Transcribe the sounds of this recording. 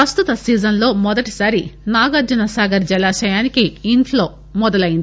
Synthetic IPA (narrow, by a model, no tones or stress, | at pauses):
ɾɐst̪ut̪ɐsiːd͡ʒɐnlo̞ːmɔd̪ɐʈi̥sɐɾinaːɡɐd͡ʒɐnɐsaːɡɐɾd͡ʒɛlaːʃɐjaːnikiːɳtʰlo̞ː | mɔd̪ɐlɐjind̪i